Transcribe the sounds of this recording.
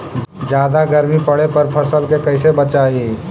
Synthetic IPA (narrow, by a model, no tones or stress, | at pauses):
d͡ʒaːd̪aɡəɾmipəɽepəɾpʰəsəlkekəɪsebət͡ʃai